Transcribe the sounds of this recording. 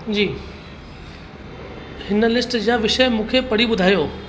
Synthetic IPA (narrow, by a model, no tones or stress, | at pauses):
d͡ʑiː | hɪnə̆lɪsʈd͡ʑaːʋɪʃəjmũːkʰepɐɽ̤iɓʊd̪ʱaːijoː